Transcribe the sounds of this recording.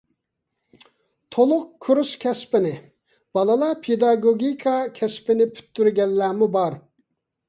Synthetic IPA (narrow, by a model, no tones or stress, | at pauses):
t̪ʰolˠʊq̚kʰuɾuskʲʰɛspɪnɪ | b̥ɑlˠɨlˠɑpʰed̪ɑɡoɡʲikʰɑkʲʰɛspɪnɪpʰy̥t̪ʰːyɾɡʲɛlːæːmubɑɾ